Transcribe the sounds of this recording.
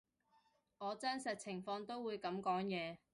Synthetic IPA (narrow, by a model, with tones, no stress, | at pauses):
ŋɔː˨˧t͡sɐ˥nsɐ˨t̚t͡sʰɪ˨˩ŋfɔː˧ŋt̪o˥wuː˨˧jkɐ˨˧˥mkɔː˨˥ŋjɛː˨˧